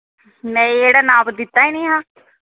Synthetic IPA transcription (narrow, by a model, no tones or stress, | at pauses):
mɛ̃ːeːɽaːnãːbd̪ɪt̪ːaːiːnĩːɦãː